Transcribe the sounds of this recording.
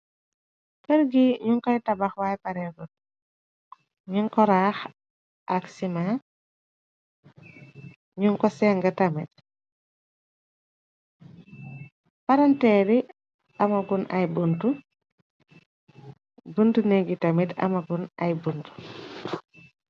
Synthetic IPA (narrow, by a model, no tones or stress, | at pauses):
kəɾɡiɲuŋkɔjtɐbɐxwajpɐɾɛɡɔt̚ | ɲuŋkɔɾax | ʔɐksima | ɲuŋkɔsɛŋɡɐtamit̚ | paɾɐntɛːɾi | ɐmɐɡunɐjbuntu | buntuneɡitɐmitɐ̰mɐɡunɐ̰jbuntu̥